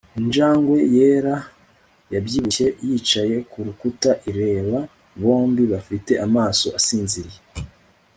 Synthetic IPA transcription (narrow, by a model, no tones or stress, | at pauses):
ind͡ʒaːŋɡwe̞je̞ːɾa | jabjiːβuejit͡ʃaje̞kuɾukutaʔiɾe̞ːβa | βo̞ːmbiβafite̞ʔamaːso̞ʔasiːnziɾije